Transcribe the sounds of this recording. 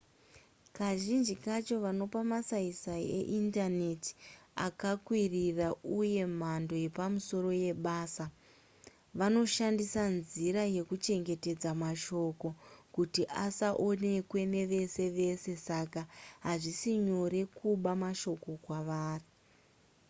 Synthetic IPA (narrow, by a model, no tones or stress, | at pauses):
kaʒind͡ʒikat͡ʃo̞ʋano̞pamasaisaḛʔindane̞ti̥a̰kakwirirauje̞m̤ando̞je̞pamuso̞ɾo̞je̞ɓaːsa | ʋano̞ʃandisanziɾaje̞kut͡ʃe̞ŋɡe̞te̞d͡zamaʃo̞ko̞kutiʔasaʔo̞ne̞kwe̞ne̞ʋe̞se̞ʋe̞se̞sakaɦaʐisiɲo̞ɾe̞kuɓamaʃo̞ko̞kwaʋaːri